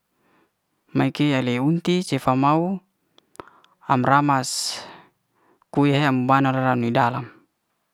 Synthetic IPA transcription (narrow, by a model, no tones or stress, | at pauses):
maikealeunt̪it͡ʃefamau | a̰mramas | kuaɦeamubanaɾaɾanuidalam